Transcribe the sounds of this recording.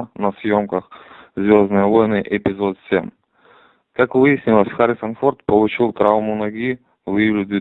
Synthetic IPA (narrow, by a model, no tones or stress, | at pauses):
nɐsʲjomkəxzvʲoznɨjɛvojnɨjʔɛpʲɪzɔt̪sʲɛm | kakvɨjɐsʲnʲilˠəsʲxaɾʲɪsɐnfort̪̚polˠʊt͡ʃilˠt̪ɾavmʊnɐɡʲi | vɨlʲɪd̪ʲi